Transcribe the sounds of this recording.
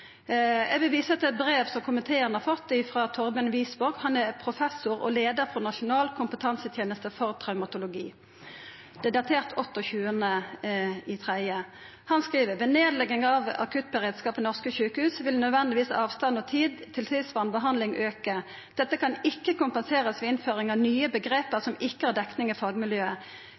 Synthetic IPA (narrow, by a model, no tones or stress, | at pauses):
ɛ̰ɡʋɪlʋiːsəɛt̪ːɛt̪̚bʁeːʋsɔmkʰʊmənt̪ʰeːəʁnəhɑʁfɔt̪ːɪfʁɑːt̪ʰɔʁbɪɑnʋiːsbɔʁɡhɑnæpʰʁʊfɛsʊɾɔ̰leːd̪əɾfʁɔnɑʃʊnɑːlkʰʊmpət̪ʰɑnsət̪ʰjeːnəst̪əfɔʁt̪ʰʁɑʉmɑt̪ʊlʊɡiː | d̪̥ɛd̪ɑt̪ʰeːʁt̪ʰɔt̪ːɔçʉːənə | ɪt̪ʰʁæɪə | hɑnskʁiːʋəʁʋɛneːd̪lɛɡːɪŋɑʋɑ̰kʉt̪̚bəʁeːd̪skɑːpɛnɔʁskəçʉːkəhʉːsʋɪlnœd̪ʋɛnd̪ɪʋiːsɑːʋst̪ɑnɔt̪ʰiːd̪t̪ʰɪlsʰɪːsʋɑnbəɦɑnd̪lɪŋʔøːkə | d̪̥ɛt̪ːəkʰɑnɪkːəkʊmpənseːʁəsʋɛɪnføːʁɪŋɑʋnyːəbəɡʁeːpəʁsɔmɪkːəhæʁd̪ɛknɪŋifɑːɡmɪljøːə